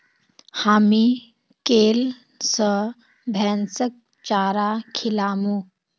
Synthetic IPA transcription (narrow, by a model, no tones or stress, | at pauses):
haːmi | keːl | sə | bʱɛːnsək̚ | t͡ʃaːɾakʰilaːmu